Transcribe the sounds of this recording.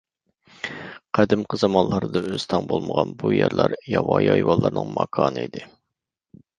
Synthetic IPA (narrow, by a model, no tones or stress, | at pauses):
qʰæd̪ɪmqəzɑmɑnlˠɑɾd̪ɑøz̥t̪ʰɑŋbolˠməʁɑnbujæɾlˠɑɾjɑwɑjɑjwɑlˠːɑɾnɨŋmɑkʰɑːnɨid̪ɪ